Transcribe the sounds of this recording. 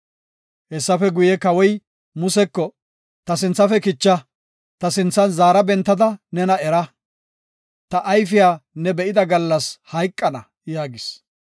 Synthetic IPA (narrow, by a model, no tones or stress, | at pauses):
hɛsːɐfɛɡʊjɛkɐwɔj | mʊsɛkːɔ | t̪ɐsɪnt͡sːɐfɛkɪt͡ʃːɐ | t̪ɐsɪnt͡sːɐnzaːɾɐbɛnt̪ːɐd̪ɐnɛnɐɛɾɐ | t̪ɐʔːjfɪjaːnɛbɛʔɪd̪ɐɡɐlːɐshɐjkʼːɐnɐ | jaːɡɪs